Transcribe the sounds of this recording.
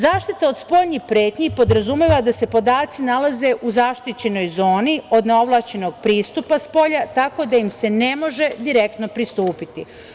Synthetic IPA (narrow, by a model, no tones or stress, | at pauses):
zaːʃt̪it̪ao̞d̪spo̞ʎɲixpɾeːt̪ɲipo̞d̪ɾazumeʋad̪ase̞po̞d̪aːt̪sinalaze̞ʔuzaːʃt̪it͡ɕe̞no̞jzo̞ːnio̞d̪ne̞o̞ʋlˠat͡ɕe̞no̞ɡ̥̚pɾiːst̪upaspo̞ʎat̪ako̞d̪aimse̞nemo̞ʒe̞d̪iɾe̞k̚t̪no̞pɾist̪uːpit̪i